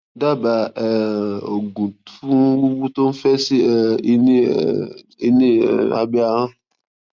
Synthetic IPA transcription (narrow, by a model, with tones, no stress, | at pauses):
da˦ba˨ɛ˨o˨ɡũ˨tũ˦u˦bu˦to˦n̩˦fɛ˦si˦ɛ˨i˦ni˦ | i˦nḭ̃˦˨a̰˨bɛ˦a˦ã˦